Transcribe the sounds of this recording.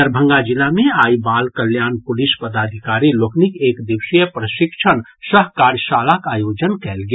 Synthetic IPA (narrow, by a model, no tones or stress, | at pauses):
əɾbʱə̃ŋɡad͡ʒilːameaibalkəljanpulispəd̪ad̪ʱikaɾiloknikekd̪iwsəjəpɾəsikt͡ʃʰən | səɦkaɾjəsalakajod͡ʒənkɛlɡe